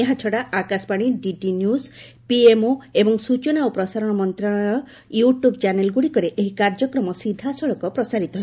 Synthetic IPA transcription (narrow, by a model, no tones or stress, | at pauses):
eɦat͡ʃʰɔɽaakaspaɽ̃iɖiʈinjus | piemoebɔŋsut͡ʃɔnawpɾɔsaɾɔɽ̃ɔmɔnt̪ɾɔɽ̃ajɔ | juʈjubt͡ʃanelɡuɽikɔɾeʔeɦikaɾd͡ʒɔkɾɔmɔsid̪ʱasɔɭɔkɔpɾɔsaɾit̪ɔɦe